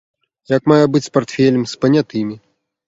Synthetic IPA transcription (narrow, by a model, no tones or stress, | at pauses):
jɐkmajɛbɨt͡sʲspart̪fʲɛlʲɐmspɐnʲat̪ɨmʲi